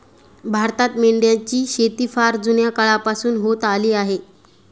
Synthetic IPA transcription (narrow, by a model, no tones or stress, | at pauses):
bʱaɾt̪at̪meɳɖjat͡ɕiːɕet̪iːfaɾd͡zunjakəɭapasuːnɦot̪aliːaɦe